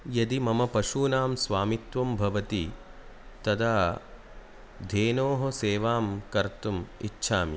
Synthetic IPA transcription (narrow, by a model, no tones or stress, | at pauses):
jɐd̪imɐmɐpɐʃuːnaːmsʋaːmit̪ʋɐmbʱɐʋɐt̪i | t̪ɐd̪aː | d̪ʱeːnoːɦɐseːʋaːmkɐɾt̪umḭtːʃʰaːmḭ